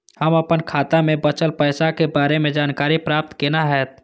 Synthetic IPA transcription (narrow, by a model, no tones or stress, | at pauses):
həməpənkʰaːt̪amẽbət͡ʃəlpəɪsakebaːɾemẽd͡ʒaːnkaːɾipɾaːp̚t̪kenaɦɛːt̪